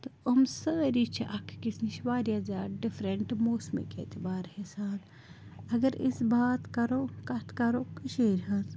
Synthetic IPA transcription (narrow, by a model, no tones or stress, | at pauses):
t̪oɐmsəːɾit͡ʃʰɐʔɐkʰkisniʃʋaːɾjaːzaːɖifʰɾɐɳʈmoːsmḛkḛːt̪ibaːɾhesaːn | ɐɡəɾɪ̰sbaːt̪kɐɾoːkɐt̪ʰkɐɾokɨʃeːɾɦɐz